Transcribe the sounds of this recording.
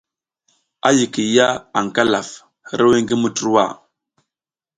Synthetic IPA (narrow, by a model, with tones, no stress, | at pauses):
a˦ji˨ki˨ja˦a˨ŋ˨ka˦la˨f | ɾə˦we˦ŋɡi˦mu˦tu˦ɾwa̰˦˨